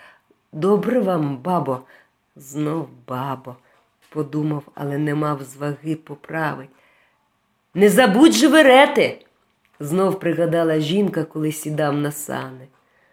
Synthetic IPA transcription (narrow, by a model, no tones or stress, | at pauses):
d̪ɔbɾɛʋɑmbɑbɔ | znɔwbɑbɔ | pɔd̪umɐwɐ̰lˠɛnɛmɑwzʋɐɣɪpɔpɾɑʋɪtʲ | nɛzɐbudʲʒʋeɾɛt̪ɪ | znɔwpɾɪɣɐd̪ɑlˠɐʒʲinkɐkɔlˠɪsʲid̪ɑwnɐsɑ̰nɪ